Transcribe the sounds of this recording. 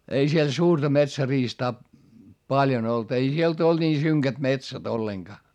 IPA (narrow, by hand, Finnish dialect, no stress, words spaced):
ei siel suːrtɑ metsæriːstɑː pɑljon olt ei sielt old̥ niː syŋkæt metsæt olːeŋɡ̊ɑː